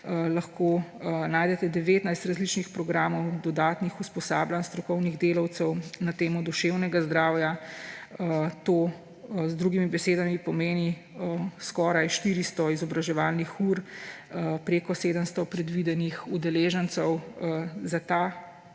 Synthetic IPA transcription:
lɐxkoːnaːjd̪ɛt̪ɛd̪ɛʋeːt̪najst̪ɾazlit͡ʃnixpɾɔɡɾaːmɔwd̪ɔd̪aːt̪nixuspɔsaːblanst̪ɾɔkɔwniɣd̪eːlɔwt̪sɛwnat̪eːmɔd̪uʃewnɛɡazd̪ɾawja | t̪oː | zd̪ɾuɡimibɛseːd̪amipɔmeːni | skɔɾajʃt̪iɾist̪ɔizɔbɾaʒɛʋaːlnixuɾ | pɾeːkɔseːd̪əmst̪ɔpɾɛd̪ʋid̪ɛnixud̪ɛleːʒənsəwzat̪a

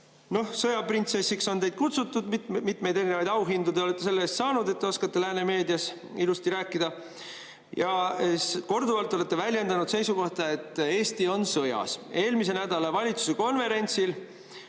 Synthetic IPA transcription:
no̞hsɤjɑprint̪se̞sikso̞nt̪e̞jd̪̥̚kut̪sut̪ːˑud̪mit̪ˑme̞jd̪e̞ɾineɑjd̪ɑwɦind̪ud̪eoe̞t̪ːˑe̞se̞lːeeːst̪sɑːnud̪e̞t̪ːeoskɑt̪ːe̞læːneme̞ːd̪iɑs | ilust̪iɾæːkːˑid̪̥ɑ | jɑ | ko̞rd̪uvɑlt̪ːˑoe̞t̪ːe̞vælʲje̞nd̪ɑnud̪̥se̞jsuko̞ht̪ɑe̞t̪ːˑe̞ːst̪io̞nsɤjɑ̰se̞ːlmis̬e̞næd̪̥ɑlɑvɑlʲit̪su̥se̞ko̞nve̞ɾe̞nʲt̪sil

